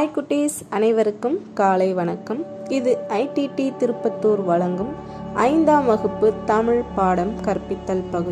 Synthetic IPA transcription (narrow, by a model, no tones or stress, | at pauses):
jkːʊʈːeːs | ɐnɐɪʋɐɾɯkːɯmkaːlɐɪʋɐnɐkːɐm | ɪðɯʔɐɪʈːiʈit̪ɪɾɯpːɐt̪ːoːɾʋɐɻɐŋɡɯm | ʔɐ̰ɪnd̪aːmʋɐɣɯpːɯt̪ɐmɪɻpaːɽɐmkɐɾpːɪt̪ːɐlpɐɣɯ